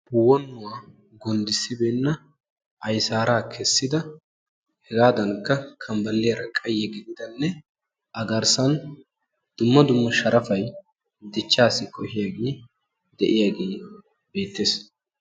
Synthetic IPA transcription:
bʊwɔnːʊwaː | ɡɔnd̪ɪsɪbeːnːɐ | ʔɐjsaːɾaːkʰɛsːɪd̪ɐ | hɛɡaːd̪ɐnkːɐkʰɐmbɐlːɪjɐɾɐkʼɐjːɛɡɪd̪ɪd̪ɐnːɛ | ʔɐɡɐɾsɐn | d̪̥ʊmːɐd̪ʊmːɐʃɐɾʔɐfɐj | d̪ɛt͡ʃːaːsɪkʰʼɔhɪjaːɡeː | d̪ɛʔɪjaːɡeː | be̞ːt̪ːeːs

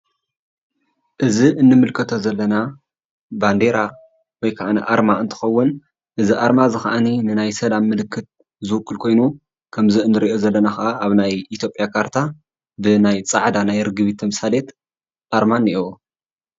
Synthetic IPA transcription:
ʔɨziɨnːɨmɨlkʰɐt̪ʰo̞zɐlːɐna | band̪e̞ɾa | wɔjkʰaʔaniʔaɾmaɨnt̪ʰɨ̥xɐwːʊn | ʔɨziʔaɾmazɨxaʔaninɨnajsɐlamːɨlɨkːɨt̪̚ | zɨwɨkʼːɨlkʰo̞jnu | kʰɐmziɨnːɨɾiʔo̞zɐlːɐnaxɐʔaʔaβnajit̪ʰjo̞pʼjakʰaɾt̪ʰa | bɨnajt͡sʼaʕd̪anajɾɨɡɨβit̪ʰːɐmsale̞t̪ | ʔaɾmanːiʔu

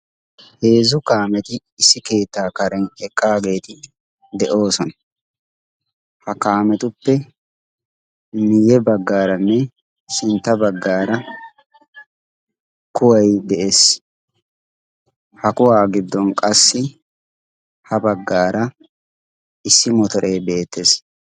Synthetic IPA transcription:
he̞ːzʊkaːmɛt̪ɪːsːɪke̞ːt̪ːaːkɐɾɛnɛkʼːaːɡe̞ːt̪ɪ | d̪ɛʔo̞ːsɔnɐ | hɐkaːmɛt̪ʊpːɛ | mɪjɛbɐɡːaːɾɐnːɛ | ʃɪnt̪ːɐbɐɡːaːɾɐ | kʊwɐjd̪ɛʔeːs | hɐkʊwaːɡɪd̪ːɔnkʼɐsːɪ | hɐbɐɡːaːɾɐ | ɪsːɪmɔt̪ɔɾʔeːbe̞ːt̪ːes

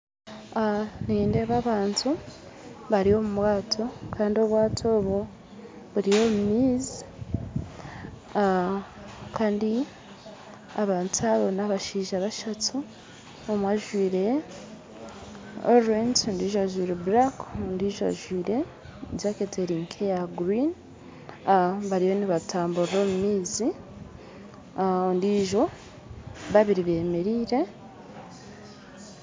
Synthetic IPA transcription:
aniːnde̞βaβaːntʰu | βaɾio̞mumwaːtʰo̞kʰaːndio̞βwaːtʰo̞ːβo | βuɾijo̞ːmumiːz | kaːndi | aβaːntuaβo̞naβaʃiːʒaβaʃatʰu | omwaʒwiːɾe̞ | o̰ɾentondiːʒoaʒwiɾebɾakndiːʒoa̰ʒwiːɾe̞ | jaketʰeɾiŋkʰejaɡɾin | aβaɾijo̞niβatʰaːmbuɾɾo̞mumiːzi | ondiʒo̞ | βaβiɾiβe̞ːme̞ɾiːɾe̞

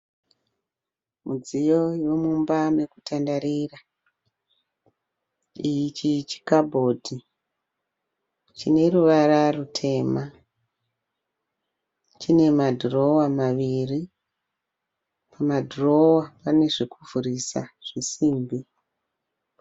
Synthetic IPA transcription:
mud͡zijo̞jo̞mumbame̞kutandaɾira | ijit͡ʃit͡ʃi̥kabʱo̞ːdʱi | t͡ʃine̞ruʋaɾarutʰe̞ːma | t͡ʃine̞madʱro̞wamaʋiri | pamadʱro̞wapane̞ʐikuvuɾisa̰ʐ̥isiːmbi

